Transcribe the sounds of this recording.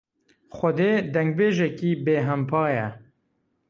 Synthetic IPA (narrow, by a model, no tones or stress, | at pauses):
xʷɐd̪eːd̪ɛŋɡ̚beːʒɛkiːbeːɦɛmpʰɑːjɛ